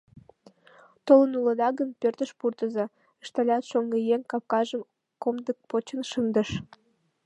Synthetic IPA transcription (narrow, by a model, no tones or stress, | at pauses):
t̪olənuləd̪ɑɣəmpørt̪əʃpurt̪əzɑ | əʃt̪ɑlʲɑt̪ʃoŋɡejeŋkɑp̚kɑʒəm | komd̪ək̚pot͡ɕənʃənd̪ə̆ʃ